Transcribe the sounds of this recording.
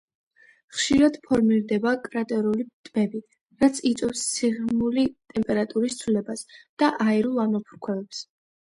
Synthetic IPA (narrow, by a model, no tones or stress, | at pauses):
χʃiɾad̪̥pʰɔɾmiɾd̪ɛbakʼɾat̪ʼɛɾulit̪ʼmɛbi | ɾat̪sʰit̪sʼɛfssʰiʁmulit̪ʼɛmpʼɛɾat̪ʼuɾist̪sʰvlɛbasd̪̥aʔaɛɾulˠamɔpʰu̥ɾkʰwɛbɛps